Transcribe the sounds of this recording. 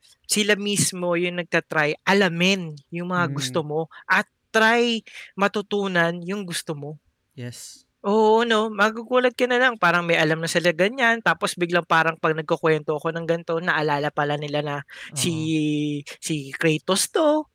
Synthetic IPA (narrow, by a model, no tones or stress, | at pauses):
sɪlamismo̞jʊŋnɐɡ̚kɐt̪ɾajʔɐlamɪnjʊŋmɐŋaɡʊst̪o̞mo̞ʔɐt̪ː | ɾajmɐt̪ʊt̪uːnɐnjʊŋɡʊst̪omo̞ | js | ʔoːʔono̞mɐɡuɡuːlɐd̪̚kɐnɐlɐŋpaːɾɐŋmɐjʔɐlamnɐsɪlaɡɐɲant̪aːpo̞sbɪɡlɐŋpaːɾɐŋpɐɡ̚nɐɡ̚kokwɛnt̪o̞ʔɐko̞nɐŋɡɐnt̪o̞nɐʔɐlaːlɐpɐlanɪlanɐsi | sikɾɛjt̪ost̪o̞